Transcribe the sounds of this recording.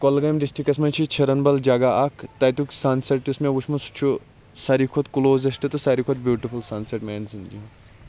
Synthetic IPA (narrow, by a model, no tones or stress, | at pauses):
kolɡɐjmɖisʈikɐsmɐt͡ʃʰit͡ʃʰɐɾɐnbɐld͡ʒaːɡaʔaːkʰt̪ɐjt̪uksaːnsɐʈ̪usmẽʋut͡ʃʰmɐsu̥t͡ʃʰu | sɐɾikʰot̪kuloːzɐsʈɨt̪ɨsaɾikʰot̪̚bjuːʈifʰulsaːnsɐʈmɛːnzind͡ʒi